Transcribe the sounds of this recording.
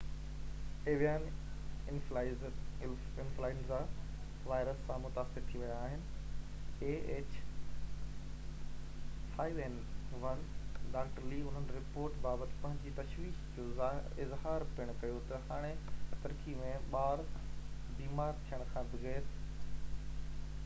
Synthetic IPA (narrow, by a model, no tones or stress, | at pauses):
eːʋijaːnɪnflaːɪz | ɪnflaːɪnza | ʋaːɪɾəsːãmʊt̪aːsɪɾt̪ʰiʋɐjaːɦɪnɪ̆ | eːeːt͡ɕ | faːieːn | ʋɐnɖaːkʈliʊn̤ənɪ̆ɾɪpoːɾʈbaːbət̪ɪ̥̆pɐ̃ɦɪ̃ɲd͡ʑiːt̪ɐʃʋiːʃd͡ʑoː | ɪzɦaːɾbɪɽ̃ʊkɐjot̪ɐhaːɽ̃et̪ɐɾkimẽɓaːɾ | biːmaːɾt̪ʰijəɽ̃kʰãːbɪɣet̪